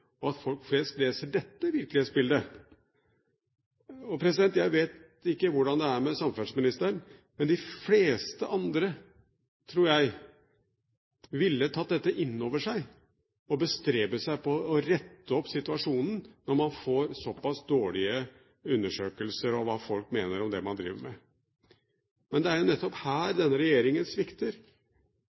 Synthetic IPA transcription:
ɔɑt̪fɔlkfleːskt̪leːsəɖɛt̪ːəʋɪɾklɪheːt̪sbɪld̪ə | ɔpʰɾɛs̬ɪd̪ɛnt̪jæɪʋeːt̪ | ɪkːəʋʊɖɑnd̪ɛæɾmɛsɑmfœnsmɪnɪst̪əɳmɛnd̪ɪfleːst̪əʔɑnd̪ɾə | t̪ʰɾuːɾjæɪ | ʋɪlːət̪ʰɑt̪̚d̪ɛt̪ːəʔɪnːoːʋəʂæɪ | ɔbəst̪ɾeːbəsæɪpɔːɾɛt̪ːəɔpːsɪt̪ʉɑʂuːnn̩nɔɾmɑnfoːɾsɔpːɑsd̪oːɭɪə | ʉnːəʂøːkəlsəɾɔʋɑːfɔlkmeːnəɾɔmd̪ɛmɑnd̪ɾḭːʋəɾmɛ | mɛnd̪ɛæɾjʊnɛt̪ːɔphæːɾd̪ɛnːəɾɛjeːɾɪŋənsʋɪkt̪əɾ

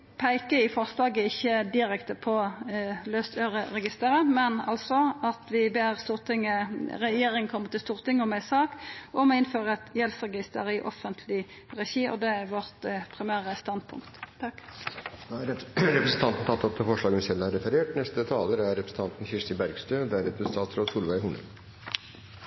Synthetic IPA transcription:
pʰæɪkəɪfɔʁslɑːɡəɪçːəd̪ɪɾɛkt̪əpʰɔløːst̪ʰøːʁəɾɛɡɪst̪əɾəmɛnɑ̰lsɔɑt̪ʋɪbeːʁst̪uːʁt̪ʰɪŋːəɾɛjeːɾɪŋənkʰɔmːəʁt̪ʰɪlst̪uːʁt̪ʰɪŋːəɔmæɪsɑːkɔmɔɪnføːɾəɛt̪jɛlsʁɛɡɪst̪əɾɪʔɔ̰fənt̪ʰlɪ | ʁɛçiːʔɔ̰d̪ɛæʁʋɔʁt̪pʰʁɪmæːʁəst̪ɑnd̪̚pʰʊ̰ŋkt̪ | ɾɛpɾəsn̩t̪ɑnt̪n̩t̪ʰɑt̪ːɔp̚t̪ʰɪfɔʂɭɑːɡənsɛlːəæɾɛfəɾeːʈnɛst̪ət̪ʰɑːləɾæɾːɛpɾsn̩t̪ɑnt̪n̩çɪʂt̪ɪbæɾɡst̪øːd̪ɛæɾɛpɾəsnt̪ʰɑːt̪sɾoːsuːlʋæɪhʊnə̰l

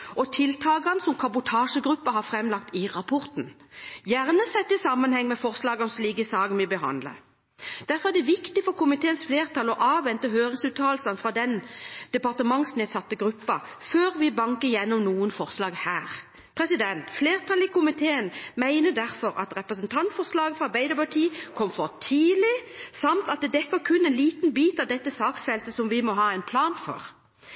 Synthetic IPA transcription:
ɔt̪ʰɪlt̪ʰɑːɡɑnəsɔmkʰɑbʊt̪ʰɑːʂəɡɾʉpːɑɦɑʁfʁɛmlɑk̚t̪ɪʁɑpʰɔʁt̪njæʁnəsɛt̪ːɪsɑmːənhɛŋːmɛfɔʁslɑːɡɔnsliːɡəsɑːɡənʋɪbəɦɑ̰nd̪lə̰ | d̪̥æʁfɔɾʁæd̪ɛʋɪkt̪ɪfɔʁkʰʊmɪt̪ʰeːənsfleːʁt̪ʰɑːlɔʔɑːʋʋɛnt̪əhøːʁɪŋsʉːt̪ʰɑːlsənfʁɑd̪ɛnd̪̥ɛpɑʁt̪əmɑŋsneːd̪sɑt̪ːəɡʁʉpːɑføːɾʋɪbɑŋkəjɛnːɔmnuːənfɔɾslɑːɡhæːʁ | pʰʁɛsɪd̪ɛnt̪fleːʁt̪ʰɑːlɪkʰʊmɪt̪ʰeːənmæɪnəd̪æʁfɔɾɑt̪ʁɛpʁəsənt̪ʰɑnt̪fɔʁslɑːɡəfʁɑɾbæɪd̪əpɑʈʰiːkʰɔmfɔʁt̪ʰiːlɪsɑmt̪ɑt̪̚d̪ɛd̪ɛkːəkʰʉnɛnliːt̪nbiːt̪ɑʋd̪ɛt̪ːəsɑːksfɛlt̪əsɔmʋɪmɔɦɑːɛɪnpʰlɑːnfɔ̰ʁ

